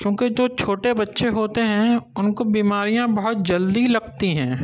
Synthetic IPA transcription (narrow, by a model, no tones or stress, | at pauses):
kjõːked͡ʒoːt͡ʃʰoːʈebɐtːʃeɦoːt̪eɦɛ̃ʊnkobiːmaːɾijãbɐɦʊt̪̚d͡ʒɐld̪ilɐɡt̪iɦɛ̃ː